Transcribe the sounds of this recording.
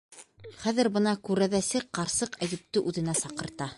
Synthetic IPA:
χæðɘ̆ɾbɤ̆nɑkʉɾæðæsɘqqːɑɾsɤqæj̪ɘ̆p̚t̪ɘʔʉðɘ̆næsɑqɤ̆ɾt̪ɑ

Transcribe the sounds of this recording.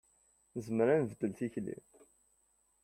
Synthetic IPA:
nəzməɾænvəd̪ːəlt̪içlḭm

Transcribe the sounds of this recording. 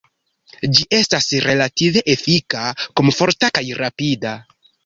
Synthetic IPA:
d͡ʒiʔe̞stasɾe̞lative̞ʔefikakomfo̞ɾtakajɾapida

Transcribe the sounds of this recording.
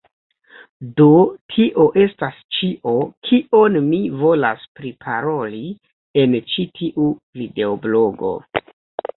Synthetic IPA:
do̞tʰiʔo̞ʔe̞stast͡ʃiʔo̞kʰiʔo̞nmivo̞la̰spɾipʰaɾo̞li | e̞nt͡ʃitʰiʔuvide̞oblo̞ɡo̞̰

